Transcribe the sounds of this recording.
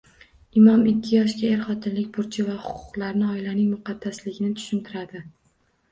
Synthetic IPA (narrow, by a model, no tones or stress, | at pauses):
ɪmɒmɪkʲʰːɪjɒʃ̬kʲaeɾχɒt̪ʰɪnlɪkʲbʊɾt͡ʃʰɪvahʊqʰʊ̥qlˠaɾnɪɒɪlanɪŋmʊqʰɑd̪̥ːaslɪɡʲɪnɪt̪ʰʊ̥ʃɪnt̪ʰɪɾad̪ɪ